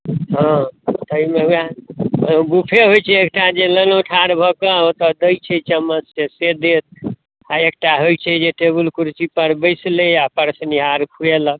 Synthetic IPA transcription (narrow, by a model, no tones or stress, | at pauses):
ɦɔ̃t̪əimeɦuja | bupʰeɦojt͡ʃʰɛekʈad͡ʒelənoʈʰaɾbʱəkəot̪əd̪əjt͡ʃʰɛt͡ʃəmːəsesed̪et̪̚ | aek̚ʈaɦojt͡ʃʰɛd͡ʒeʈebulkuɾt͡ʃipəɾbəɪsleapəɾsniɦaɾkʰuelək̚